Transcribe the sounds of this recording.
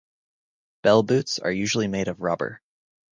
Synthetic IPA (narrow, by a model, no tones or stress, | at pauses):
b̥ɛlˠbʉtsə̰˞jʉʒl̩ˠimeɪɾʌvɹɑbə̰˞